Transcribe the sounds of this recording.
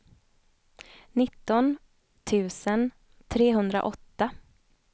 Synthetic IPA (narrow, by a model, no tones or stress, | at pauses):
nɪt̪ːɔn | t̪ʰʉ̟ːsən | t̪ʰɾeːɦɵnd̪ɾa̰ʔɔt̪ːa